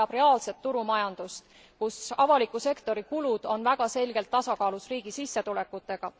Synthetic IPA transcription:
ɑb̥re̞ɑːlse̞t̪ːuɾumɑjɑnd̪̥ust̪ | kusɑvɑlikːˑuse̞kt̪o̞ɾikulud̪̥o̞nvæɡ̥ɑse̞lɡ̥e̞lt̪ːɑsɑkɑːlusriːɡ̥isisːe̞t̪ule̞kːˑut̪ːˑe̞ɡ̥ɑ

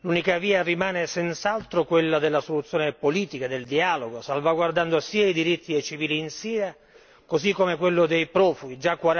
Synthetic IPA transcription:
lunikaviːarimaːnesɛnt̪salt̪ɾokwelːad̪elːasolut̪sːjoːnepoliːt̪ikad̪eld̪iaːloɡosalvaɡward̪and̪osiːaid̪iɾit̪ːiet͡ʃiviːliːnsiːɾa | kozikːomekwelːʊd̪ejpɾɔːfuɡ̟id͡ʒakːwaɾ

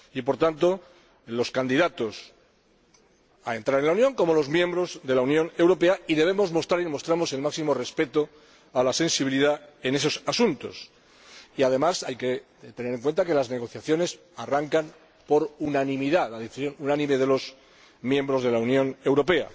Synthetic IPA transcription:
ipo̞ɾt̪ant̪o̞ | lo̞skand̪iðat̪o̞s | a̰e̞nt̪ɾaɾe̞nlaunjõ̞ŋko̞mo̞lo̞zmjembɾo̞zðe̞launjõ̞ne̞wɾo̞pe̞aiðe̞β̞e̞mo̞zmo̞st̪ɾaɾilmo̞st̪ɾamo̞se̞lmaksimo̞re̞spe̞t̪o | alase̞nsiβiliðae̞ne̞s̬o̞sasunt̪o̞̰s | iaðe̞masajke̞ | t̪e̞neɾe̞ŋkwe̞nt̪ake̞lazne̞ɣ̞o̞θjaθjo̞ne̞s | araŋkan | po̞ɾunanĩmiðalaðeθisjõ̞nunanĩme̞ð̞e̞lo̞z | mjẽ̞mbɾo̞zðe̞launjõ̞ne̞wɾo̞pe̞a̰

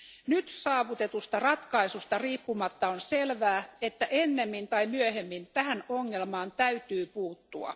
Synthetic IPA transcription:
nyt̪sɑːʋut̪e̞t̪ust̪ɑrɑt̪kɑisust̪ɑriːpːumɑt̪ːɑonselʋæːet̪ːæʔenːemːint̪ɑimyøhemːint̪æhænoŋːelmɑːnt̪æyt̪yːpuːt̪ːuɑ̰

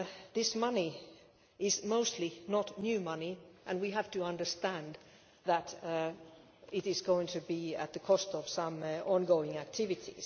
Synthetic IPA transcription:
ðɪsmʌni | ɪzmoʊstˡlinətⁿnjʉmʌniʔɨ̃nwiɦæftɨʌ̃ndə˞stæ̃n | ðəɾ | ɪɾɨzɡoʊɪ̃ŋtʰɨbiɨ̰t̪̚ðɨkʰɔstʌv̥sʌ̃mɔ̃nɡoʊɪ̃ŋæk̚tʰɪvɨtḭz̥

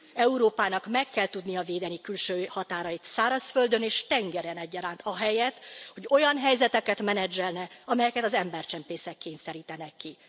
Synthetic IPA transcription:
ɛuɾoːpaːnɒkmɛkːɛlt̪ud̪nijɒveːd̪ɛnikylʃøːhɒt̪aːɾɒjit̪saːɾɒsfø̞ld̪ø̞neːʃt̪ɛŋɡɛɾɛnɛɟːɒɾaːnt̪ʰɒɦɛjɛt̪ːho̞ɟo̞jɒnɦɛjzɛt̪ɛkɛt̪mɛnɛd͡ʒːɛlnɛɒmɛjɛkɛt̪ɒzɛmbɛrt͡ʃɛmpeːsɛkːeːnsɛɾiːt̪ɛnɛkːi

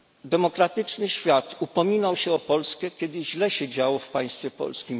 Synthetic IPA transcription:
d̪ɛmɔkɾat̪ɘt͡ʂnɘɕfʲjat̪upɔmʲinawɕɛɔpɔlskɛkʲɛd̪ɘʑlɛɕɛd͡ʑawɔfpaj̃st̪fʲjɛpɔ̰lskʲim

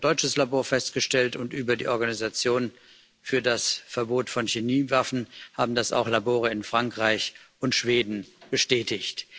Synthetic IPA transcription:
d̥ɔʏt͡ʃəslaboːɐfɛstɡ̥əʃtɛltʊntʔyːbɐdḭːʔɔɐɡanizat͡sjoːn | fyːɐdasfɛɐboːtfɔnçeniːvafn̩ha̰ːbm̩dasa̰ʊxlaboːʁ̞əɪnfʁ̥aŋkʁ̥aɪçʔʊntʃv̥eːdn̩b̥əʃtɛːtɪçt

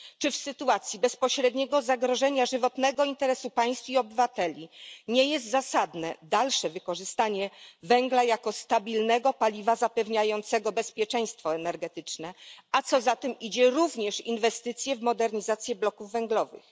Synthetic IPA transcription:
t͡ʂɘfsɘt̪uat̪sʲjibɛspɔɕɾɛd̪ɲɛɡɔzaɡɾɔʐɛɲaʐɘvɔt̪nɛɡɔint̪ɛɾɛsupaj̃st̪fiɔbɘvat̪ɛlʲiɲɛjɛst̪zasad̪nɛd̪alʂɛvɘkɔʐɘst̪aɲɛvɛŋɡlajakɔst̪abʲilnɛɡɔpalʲivazapɛvɲajɔnt̪sɛɡɔbɛspʲjɛt͡ʂɛj̃st̪fɔɛnɛɾɡɛt̪ɘt͡ʂnɛat̪sɔzat̪ɛmid͡ʑɛɾuvɲɛʂḭnvɛst̪ɘt̪sʲjɛvmɔd̪ɛɾɲizat̪sʲjɛblɔkuvːɛŋɡlɔvɘ̰x

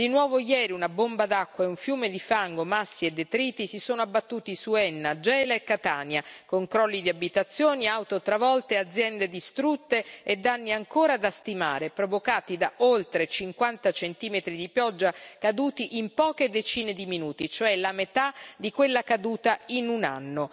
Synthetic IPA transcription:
d̪inwɔːvojɛːɾiunabombad̪akːwaeuɱfjuːmed̪ifaŋɡomasːied̪ːet̪ɾiːt̪isisoːnoabːat̪ːuːt̪isuɛnːad͡ʒɛːlaekːat̪aːnjakoŋkɾɔlːid̪iabit̪at̪sːjoːniawt̪ot̪ːɾavɔlt̪ead̪zːjɛnd̪ed̪ist̪ɾut̪ːeed̪ːanːiaŋkoːɾad̪ast̪ima̰ːɾepɾovokaːt̪id̪aʔolt̪ɾet͡ʃiŋkwant̪at͡ʃent̪iːmet̪ɾid̪ipjɔd͡ʒːakad̪uːt̪iʔimpɔːked̪et͡ʃiːned̪iminuːt̪it͡ʃoɛlamet̪ad̪ikwelːakad̪uːt̪ainuna̰nːo

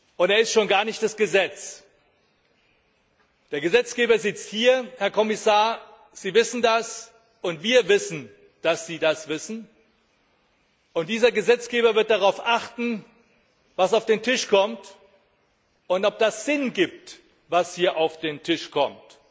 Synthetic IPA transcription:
ʔʊnteːɐɪstʃoːnɡaːɐnɪçt̚d̥asɡ̥əzɛt͡s | d̥eːɐɡəzɛt͡sɡ̥eːbɐzɪt͡sthiːɐhɛɐkʰɔmɪsaːɐ | z̥iːvɪsn̩das | ʊntv̥iːɐvɪsn̩ | d̥asz̥iːdasv̥ɪsn̩ | ʔʊntd̥iːzɐɡəzɛt͡sɡ̥eːbɐvɪɐt̚d̥aʁaʊfʔaχtn̩ | vasaʊfd̥eːntʰɪʃkʰɔmt | ʊntɔp̚d̥asz̥ɪnɡiːp̚t | vashiːɐʔaʊfd̥eːntʰɪʃkʰɔmt

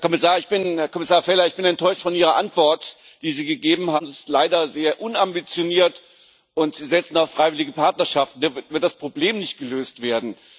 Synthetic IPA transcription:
ɐkʰɔmɪsaːɐɪçb̥ɪnhɛɐkɔmɪsaːɐfɛlɐɪçb̥ɪnɛntʰɔʏʃtfɔnʔiːʁ̞ɐʔantv̥ɔɐt | d̥iːziːɡəɡeːbm̩hanɪsstlaɪdɐzeːɐʔʊnambit͡sjoniːɐt | ʔʊntz̥iːzɛt͡sn̩aʊfʁ̥aɪvɪlɪɡəpʰaɐtnɐʃaftn̩diɐvɪɐt̚d̥aspʁ̥obleːmnɪçt̚ɡ̥əløːstv̥eːɐdn̩

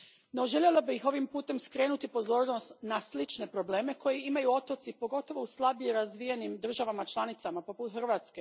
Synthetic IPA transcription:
no̞ʒe̞ʎʲe̞labixo̞ʋimpuːt̪e̞mskɾe̞ːnut̪ipo̞zo̞ːɾno̞st̪naslit͡ʃne̞pɾo̞ble̞ːme̞ko̞jeimajuo̞t̪o̞t̪sipo̞ɡo̞t̪o̞ʋo̞uslˠabijeɾazʋijenimd̪r̩ʒaʋamat͡ʃlˠanit̪samapo̞put̪xr̩ʋaːt̪ske̞

